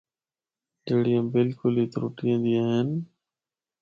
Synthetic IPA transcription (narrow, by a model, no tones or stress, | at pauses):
d͡ʒeːɽiãːbɪlkʊliːt̪ɾṵːʈiẽːnd̪iːaːɦɪn